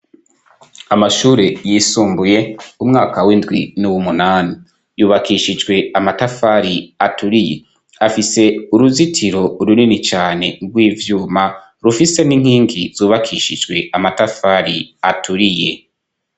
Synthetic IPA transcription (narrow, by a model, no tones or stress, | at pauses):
amaʃuːɾe̞jiːsuːmbuje̞umŋaːkawindɡwinuwumunaːni | juːβakʰiʃid͡ʒɡwe̞amatafaɾiatuɾije̞̰ | afise̞uɾuzitʰiɾo̞uɾuninit͡ʃaːne̞ɾɡwiːvjuːma | ɾufise̞niŋ̥hiːŋɡiz̥uːβakʰiʃid͡ʒɡwe̞ʔamatafaːɾiatuɾije̞